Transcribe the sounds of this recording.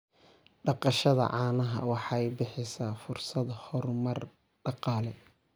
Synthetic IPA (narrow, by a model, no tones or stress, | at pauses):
ɖɑqɑʃɐðɐ̰ʕɑːnɐɦɐ̰wɑħɑjbɪħɪsaːfʊrsɐd̪hɔrmɐr | ɖɑqɑːlɛ